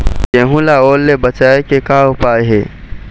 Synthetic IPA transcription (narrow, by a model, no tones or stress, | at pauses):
jẽːɦũːlaoːlːebɐt͡ʃaːekekaːʊpaːeɦeː